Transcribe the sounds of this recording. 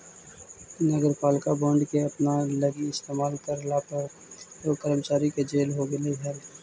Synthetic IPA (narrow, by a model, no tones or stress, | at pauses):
nəɡəɾpaːlkabɔ̃ːɳɖkeɐpnalɐɡiɪst̪eːmaːlkɐɾlapə | okɐɾmət͡ʃaːɾiked͡ʒeːlɦoɡɐleɦɛːl